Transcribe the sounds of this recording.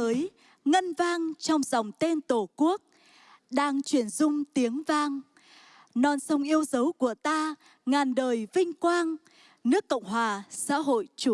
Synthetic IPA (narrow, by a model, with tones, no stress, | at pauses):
əː˨˦j | ŋə˧nvaː˧ŋt͡ɕɔ˧wŋ͡mzɔ˨˩wŋ͡mt̪e˧nt̪o˧˩ku˦˥ək̚ | ɗaː˧ŋt͡ɕwi˧˩ənzʊ˧ŋ͡mt̪i˨˦əŋvaː˧ŋ | nɔ˧nsə˧wŋ͡mʔi˧əwzə˨˦wku˧˩ət̪aː˧ | ŋaː˨˩nɗəː˨˩jvï˧ŋ̟kwaː˧ŋ | nɨ˦˥əkːə̰˧˨wŋ͡mɦwaː˨˩sa̰ː˧˥ɦo̰˧˨jt͡ɕu˧˩